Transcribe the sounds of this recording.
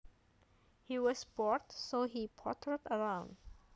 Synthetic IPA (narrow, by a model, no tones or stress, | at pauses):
hiwʌsbɔɹtsoɦipʰɔtʰəɹdəɹãʊ̃nd